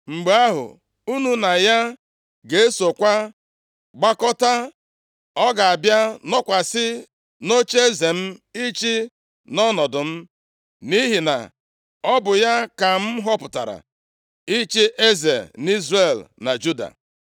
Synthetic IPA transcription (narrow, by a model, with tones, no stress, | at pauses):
ŋ͡m̩˨ɡ͡be˨a˦ɦʊ̰˨ | u˦nu˦na˨ja˦ | ɡe˨e˦so˨kʷa˦ | ɡ͡ba˦kɔ˦ta˦ | ɔ˦ɡa˨a˨bja˦nɔ˦kʷa˨sɪ˦ | no˦t͡ʃe˦ze˨m̩˦i˦t͡ʃi˦ | nɔ˦nɔ˨dʊ˨m̩˦ | ni˦ɦi˨na̰˨ | ɔ˦bʊ˨ja˦ka˨m̩˦ɦɔ˦pʊ˨ta̰˨ɾa̰˨ | i˦t͡ʃi˦ʔe˦ze˨ni˦zre˨lna˨d͡ʒu˦da̰˨